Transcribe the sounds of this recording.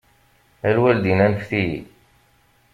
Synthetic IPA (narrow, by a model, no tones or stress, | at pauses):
ælwæld̪inænçθiji